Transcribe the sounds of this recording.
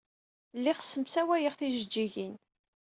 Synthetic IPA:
lːiχə̥sːəmsæwæjəʁθiʒəd͡ʒːiʝin

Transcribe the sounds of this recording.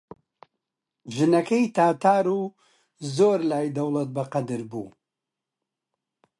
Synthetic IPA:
ʒɨnɐkʰɐjt̪ʰaːt̪ʰaːɾuː | zoːɾlaːjd̪ɐwlˠɐt̪̚bɐqɐd̪ɨɾbṵː

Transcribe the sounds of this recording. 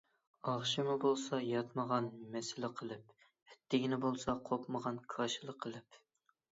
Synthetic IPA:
ɑʁʃimʊbolˠsɑjɑt̪məʁɑnmɛsɪlɪqʰəlˠɪp | hɛt̪ʰːɪɡʲinɪbolˠsɑqʰopməʁɑnkʰɑʃɨlˠəqʰːəlˠɪp

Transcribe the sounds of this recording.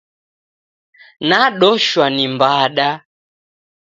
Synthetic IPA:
naɗɔʃwanimbaɗa

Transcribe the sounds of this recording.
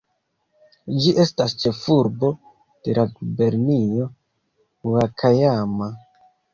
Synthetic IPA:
d͡ʒiʔe̞stast͡ʃe̞fuɾbo̞ | d̥e̞labe̞ɾnio̞ | uakʰajama

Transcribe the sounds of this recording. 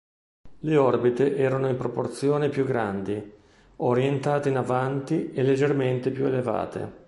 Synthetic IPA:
leɔrbit̪eʔɛːɾanoimpɾoport̪sjoːnepjuɡːɾand̪i | oɾjent̪aːt̪einavant̪ielːed͡ʒːerment̪epjueleva̰ːt̪ʰḛ

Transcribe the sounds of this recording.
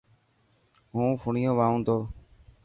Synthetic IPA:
ɦũːpʰʊɳijõːʋaːũːnd̪oː

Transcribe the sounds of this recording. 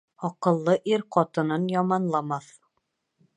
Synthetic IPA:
ɒqɤ̆lˠːɤʔiɾqɒt̪ɤ̆nɤnjɑmɑnlˠɑmɑθ

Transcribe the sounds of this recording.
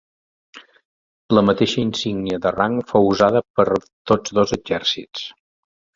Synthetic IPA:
ləmət̪eʃəinsiŋniəðəraŋfowuzaðəpəɾ | t̪od͡zðozəd͡ʒɛrsit͡s

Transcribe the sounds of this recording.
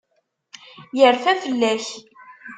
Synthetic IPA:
jəɾfæfəlːæç

